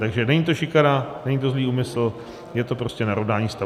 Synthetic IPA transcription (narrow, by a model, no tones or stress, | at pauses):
t̪aɡʒɛnɛɲit̪o̞ʃɪkaɾanɛɲit̪o̞zliːuːmɪsl̩ | jɛt̪o̞pɾo̞scɛnaɾovdaːɲiːst̪a